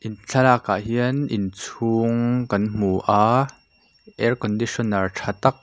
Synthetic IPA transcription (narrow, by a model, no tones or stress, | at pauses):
ʔint͡ɬʰalaka̰ʔɦiənʔint͡sʰuŋkɐnm̥uʔaː | ʔɛrkɔndisɔnarʈ͡ʂʰat̪ɐk̚